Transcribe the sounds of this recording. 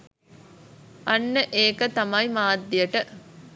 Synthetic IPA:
ʔɐnːəʔeːkɐt̪ɐmɐjmaːd̪ːijɐʈə

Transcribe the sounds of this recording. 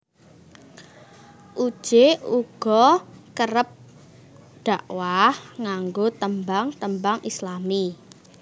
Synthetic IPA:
ʔud̥ʒ̥euɡ̥ɔkəɾəp̚ | ɖ̥aʔwahŋaŋɡot̪əmbaŋt̪əmbaŋʔislami

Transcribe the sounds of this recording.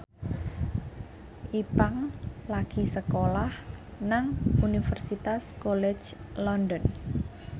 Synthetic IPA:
ʔipaŋlaɡ̥isəkolahnaŋunifɛrsit̪askɔlɛ̥d͡ʒ | lɔndɔn

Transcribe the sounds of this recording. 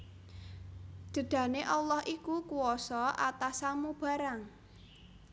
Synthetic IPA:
d̪̥ə̤ɖ̪̥ä̤neʔɔlɔhʔikukuɔsɔʔat̪asamub̥ä̤ɾaŋ

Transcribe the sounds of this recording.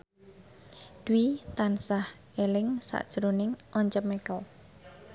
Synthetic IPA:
d̪̥wit̪ansah | elɪŋsa̰ʔd̥ʒ̥ɾonɪŋʔɔɲt͡ʃəmekɔ

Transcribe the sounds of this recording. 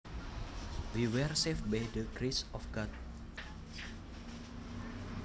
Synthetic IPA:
wiwɛrsefbajdəɡɾesɔfɡɔt̪̚

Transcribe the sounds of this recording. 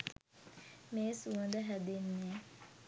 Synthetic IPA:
meːsuənd̪əɦæd̪enːe

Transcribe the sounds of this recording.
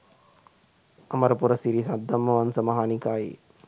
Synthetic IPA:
ɐmɐɾɐpuɾɐsiɾisɐd̪ːɐmːɐʋɐnsɐmɐɦaːnikaːjḭ

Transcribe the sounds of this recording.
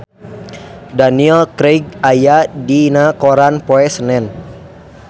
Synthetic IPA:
daniɛlkɾeɡ̚ajadinakoɾanpoɛsənɛn

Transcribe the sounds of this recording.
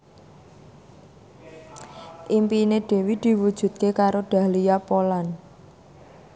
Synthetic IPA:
ʔimpineɖ̥e̤wid̪̥i̤wud̥ʒ̥ṳt̪̚kekaɾoɖ̥a̤lijapolan

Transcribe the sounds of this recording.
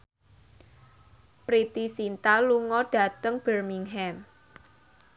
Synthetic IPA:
pɾit̪isint̪aluŋɔɖ̥a̤t̪əŋb̥ərmiŋɦɛm

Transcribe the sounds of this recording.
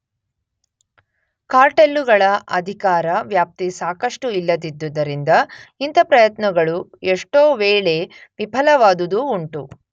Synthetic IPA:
kaːɾʈelːuɡɐɭɐʔɐd̪ʱikaːɾɐʋjaːp̚t̪isaːkɐʂʈuilːɐd̪id̪ːud̪ɐɾind̪ɐint̪ɐpɾɐjɐt̪nɐɡɐɭueʂʈoːʋeːɭe̞ʋibʱɐlɐʋaːd̪ud̪uːɳʈu

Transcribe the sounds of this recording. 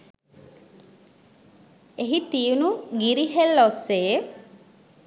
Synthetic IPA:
eɦit̪iunuɡiɾiɦelːosːeː

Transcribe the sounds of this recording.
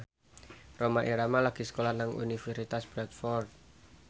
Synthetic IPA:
romaʔiɾamalaɡ̥isə̥kolanaŋṵnifɛrsit̪asb̥ɾɛt̪̚fɔrt̪̚

